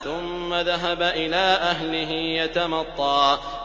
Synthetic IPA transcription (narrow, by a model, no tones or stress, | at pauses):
θʊmːaðaɦabaʔɪlaːʔaɦlɪɦɪjat̪amɑt̪ˤːɑː